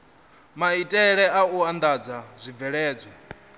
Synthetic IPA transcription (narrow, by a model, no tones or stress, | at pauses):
maitʼɛɺɛauand̪ad͡zazʷib̪vɛɺɛːd͡zɔ